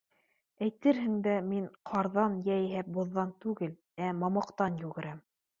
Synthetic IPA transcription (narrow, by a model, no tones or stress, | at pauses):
æjt̪ɘɾɦɘ̆ŋd̪æmiɴqʰɑɾðɑnjæjɦæp̚bŏðːɑnt̪ʉɡɘl | æmɑmɑqt̪ɑnjʉɡɘ̆ɾæm